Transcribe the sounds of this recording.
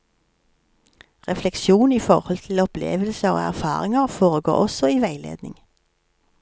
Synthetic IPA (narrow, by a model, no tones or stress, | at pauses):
ʁɛflɛkʃuːniːfɔʁhɔlt̪ʰɪl̩ɔplḛːʋəlsəʁo̰ːæ̰ʁfɑ̰ːʁɪŋəʁfoːʁəɡo̰ːʔɔsɔiːʋæɪlḛːd̪nɪ̰ŋ